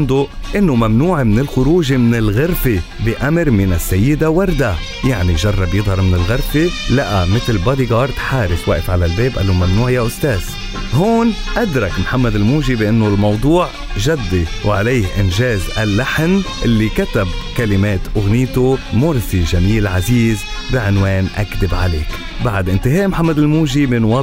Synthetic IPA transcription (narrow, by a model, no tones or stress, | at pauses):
nd̪ʊʔɪnːomamnuːʕmɪnɪlxʊɾuːʒmɪnɪlɣɪɾfe | bɪʔamɾmɪnasːajːɪd̪awɑɾˤd̪a | jaʕniʒɑrˤːɑbjɪd̪ˤhɑɾˤmɪnɪlɣɪɾfelaʔamɪt̪lbɑd̪iɡɑːɾˤt̪ħaːɾɪfwaʔɪfʕalalbeːbʔa̰lːomamnuːʕɪjaʔʊst̪eːz̥ | ɦoːnʔad̪ɾˤɑkmħamːad̪ɪlmuːʒibɪʔɪnːʊlmɑwd̪ˤuːʕ | ʒad̪ːiwʕalejhʔɪnʒeːzalːaħnʔɪlːikat̪abkalɪmeːt̪ʔʊɣniːt̪omʊɾsiʒamiːlʕaziːz | bɪʕɪnweːnʔa̰kd̪ɪbʕa̰leːk | baʕd̪ʔɪnt̪ɪɦeːʔmħamːad̪ɪlmuːʒimɪnwɑ